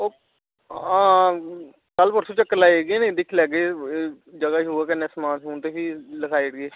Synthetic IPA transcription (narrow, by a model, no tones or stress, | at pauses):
oː | ãː | kəlpəʈsũːt͡ʃəkːəlaːiɡeːnẽːd̪ɪkʰːlɛːɡeː | d͡ʒəɡaːɦoːaːkənːẽːsəmãːnsuːnt̪eːpiːləkʰaːiɽɡeː